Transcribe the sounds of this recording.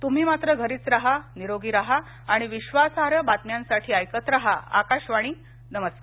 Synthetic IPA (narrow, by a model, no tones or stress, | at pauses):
t̪um̤iːmat̪ɾəɡʱəɾiːt͡sɾaɦaniɾoɡiːɾaɦaː | ɽ̃iʋiɕʋasaɾəbat̪mjãnsaʈʰiːajkət̪ɾaɦa̰a̰kaɕʋaɽ̃iː | nəməskaɾ